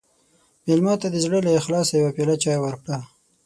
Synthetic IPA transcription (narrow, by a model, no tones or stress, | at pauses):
melmɑt̪ad̪əzɽəlaɪxlɑsajawapelat͡ʃɑjawaɾkɽa